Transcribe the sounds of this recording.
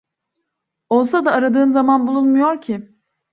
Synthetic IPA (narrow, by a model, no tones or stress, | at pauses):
o̞lˠsad̪aːɾad̪ɯːnzamanbulˠunmujo̞ɾcʰɪ